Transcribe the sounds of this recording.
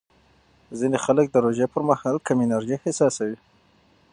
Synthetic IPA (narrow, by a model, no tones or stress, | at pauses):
zinexalək̚d̪əɾoʒepəɾmahɑlkaminaɾʒihɪsɑsawi